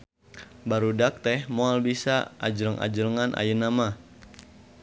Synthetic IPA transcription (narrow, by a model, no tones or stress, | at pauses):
baɾudak̚t̪ɛhmoalbisaad͡ʒəɾəŋʔa̰d͡ʒələŋanʔa̰jənama